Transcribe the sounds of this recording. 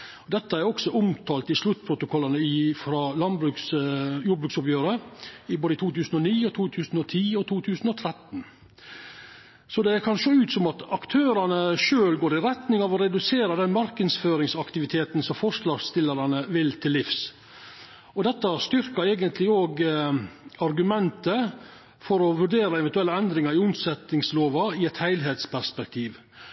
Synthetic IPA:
ɔd̪ɛt̪ːəæɾɔksɔʔʊmt̪ʰɑːlt̪ɪʂlʉt̪ːpʰɾʊt̪ʊkʰɔlːənəɪfɾɑːlɑnbɾʉksjuːɾbɾʉːksɔpjøːɾəɪboːd̪əɪt̪uːt̪ʰʉːsən̩ɔniːɔt̪ʰuːt̪ʰʉːsn̩ɔt̪ʰiːɔt̪ʰuːt̪ʰʉːsən̩ɔt̪ʰɾɛt̪n | sɔd̪ɛæɾkʰɑnʂoːʉːt̪sɔmɑt̪ɑkt̪ʰøːɾɑnəʂøːlɡoːɾɪɾɛt̪nɪŋɑʋɔɾɛd̪ʉseːɾəd̪ɛnmɑɾkənsføːɾɪŋsɑkt̪ɪʋɪt̪ʰeːt̪n̩sɔmfɔʂɭɑːɡst̪ɪlːəɾɑnəʋɪlt̪ʰɪlːɪfs | ɔd̪ɛt̪ːɑst̪ʏɾkəɾɛːɡənt̪lɪoːɡ | ɑɾɡʉmɛnt̪ə | fɔɾɔʋʉɖeːɾɑɛʋɛnt̪ʉɛlːəɛnd̪ɾɪŋɑɾɪʊmsɛt̪ɪŋsloːʋɑɪɛt̪hæɪlɦeːt̪spʰæɾspɛk̚t̪ʰiːʋ

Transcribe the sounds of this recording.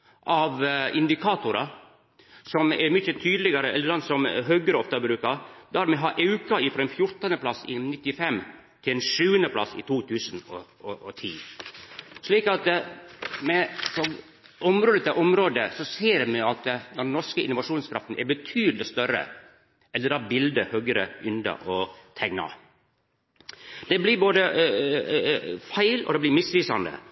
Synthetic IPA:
ʔɑʋɪnd̪ɪkʰɑːt̪ʊɾɑ | sɔmɛɾmʏçət̪ʰyːd̪lɪɡɑɾəɛlːəɾd̪ɑnsɔmɦœɡəɾəɔft̪əbɾʉːkɑɾd̪æɾmɛɦɑːʔɑʉkɑɪfɾɔɛnfjʊɾt̪ənəpʰlɑsɪ̰nɪt̪ːɪfɛmː | t̪ʰɪlɛnʂʉːənəpʰlɑ̰sɪ̰t̪ʰuːt̪ʰʉːsənɔ̰ | ɔʔɔt̪ʰḭː | ʂɭiːkɑt̪ | mɛsɔm | ʔɔmɾoːd̪ət̪ɛʔɔmɾoːd̪əsɔseːɾmɛɑt̪d̪ɛnːɔɾʂkəʔɪ̰nʊʋɑʂuːnskʰɾɑft̪n̩ʔɛ̰ɾbət̪ʰyːd̪lɪst̪œɾə̰ | ʔɛld̪əɾd̪ɑbɪld̪əhøːɡəɾəʔʏnd̪ɑ̰ʔɔt̪ʰɛŋnɑ̰ | d̪̥ɛblɪɾboːd̪ə | fæɪlɔ̰d̪ɛblɪɾmɪsʋiːsɑnd̪ə̰

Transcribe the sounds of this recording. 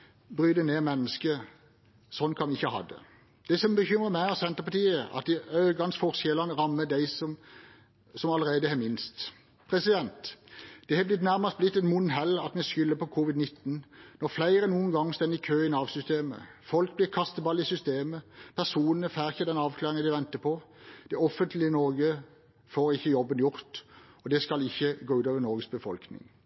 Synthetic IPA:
bʁyːd̪əneːmɛnːəskə | sɔnːkʰɑnʋɪɪçːəhɑ̰d̪ə̰ | d̪̥ɛsɔmbəçʏmʁəmæɪɑsɛnt̪əpɑt̪iːəɑ̰t̪̚d̪ɪœʏɡɑnsfɔʁsjɛlɑnəʁɑmːəd̪æɪsɔm | sɔmɑləʁeːd̪əhɛːmɪnst̪ | pʰʁɛsɪd̪ɛnt̪d̪̥ɛhɛblɪt̪næʁmɑst̪blɪt̪ːɛnmʊnɦɛlːɑt̪mɛskʏlːəpʰɔkʰuːʋɪd̪nɪt̪ːn̩nɔʁflæɪʁənuːənɡɑŋːst̪ɛnɪkʰøːɪnɑːʋsʏst̪eːmə̰fɔlk̚blɪːʁkʰɑst̪əbɑlːɪsʏst̪eːməpʰæʁsuːnənəfæːʁɪçəd̪ɛnɑːʋkʰlɑːʁɪŋəd̪ɪʋɛnt̪əpʰɔ | d̪̥ɛɔfənt̪lɪnɔʁɡə | foːʁɪçːəjɔbːənjʊʁt̪ | ɔd̪ɛskɑlɪçːəɡoːʉːt̪ɑːʋənɔʁɡəsbəfɔlknɪ̰ŋ

